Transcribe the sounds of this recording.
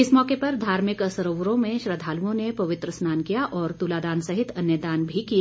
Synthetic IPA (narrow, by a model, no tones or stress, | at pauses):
ɪsmɔːkepɐɾd̪ʱaːɾmɪkəsəɾoʋɾõmẽʃɾəd̪ʱaːluõnepɐʋɪt̪ɾəsnaːnkijaʔɔːɾt̪uːlaːd̪aːnsɐɦɪt̪ʰɐnjəd̪aːnbʱikia